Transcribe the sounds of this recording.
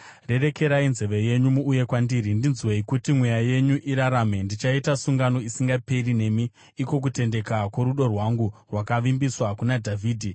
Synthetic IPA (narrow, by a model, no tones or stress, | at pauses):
re̞re̞ke̞ɾainze̞ʋe̞je̞ɲumuːje̞kwandiɾindinzweikutimwe̞jaje̞ɲuʔiɾaɾame̞ndit͡ʃaitasuŋɡano̞isiŋɡape̞rine̞miː | ko̞k̬ute̞nde̞kakwo̞ɾuɗo̞rwaŋɡurwakaʋimbiswakunadʱavʱiːdʱi